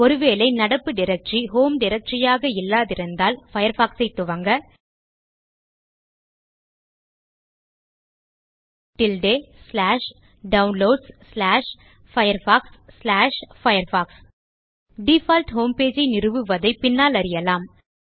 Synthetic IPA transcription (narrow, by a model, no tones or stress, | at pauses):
ɔɾɯʋeːlɐɪnɐɽɐpːɯɖɪɾɐk̚ʈt͡ʃiɦoːmɖɪɾɐk̚ʈt͡ʃɪjaːɣɐɪlːaːðɪɾɯnd̪aːlfɐjɐɾfaːksɐɪt̪ːʊʋɐŋɡɐ | ʈɪlɖeːslaːʂ | ɖɐʊnloːɖsslaːʂ | fɐjɐɾfaːksːlaːʂfɐjɐɾfaːks | ɖifaːlʈɦoːmpeːd͡ʒɐɪnɪrɯʋɯʋɐðɐɪpɪnːaːlɐɾɪjɐlaːm